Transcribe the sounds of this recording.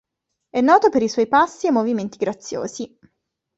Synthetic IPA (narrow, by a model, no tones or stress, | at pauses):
ɛnːɔːt̪opeɾiswɔjpasːiemːoviment̪iɡɾat̪sːjo̰ːzi